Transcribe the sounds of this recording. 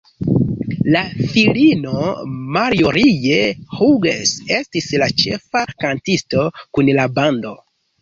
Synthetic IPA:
lafilino̞maɾioɾijehuɡḛse̞stislat͡ʃe̞̰fakantisto̞kunlabando̞

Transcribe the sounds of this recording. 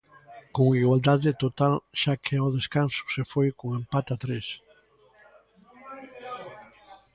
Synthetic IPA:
koŋiɣwald̪aðet̪ot̪alʃakʰeɔðeskansu̥sefojkoŋẽmpat̪at̪ɾes

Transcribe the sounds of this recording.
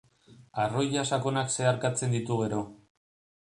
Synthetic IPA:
aro̞jʎasako̞nakse̞aɾkat͡se̞nd̪it̪uɣe̞ɾo̞

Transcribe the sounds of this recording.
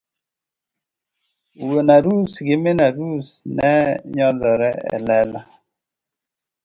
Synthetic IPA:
uwonaɾusɡɪmenaɾusnɛɲɔðɔɾɛɛ̰lɛla

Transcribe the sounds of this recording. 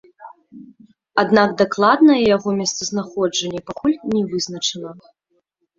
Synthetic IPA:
ad̪naɡd̪aklˠad̪nɐjɛjaɣɔmʲɛst̪sɐznaxɔd͡ʐɐnʲːɛpakulʲnʲɛvɨznɐt͡ʂɐnɐ

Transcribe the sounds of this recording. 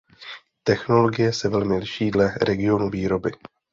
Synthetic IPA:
t̪ɛxno̞lo̞ɡɪjɛsɛvɛlmɪlɪʃiːdlɛɾɛɡɪo̞nuviːɾo̞bɪ

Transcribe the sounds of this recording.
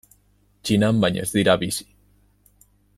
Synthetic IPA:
t͡ʃinambaɲḛzðiɾaβisi̥

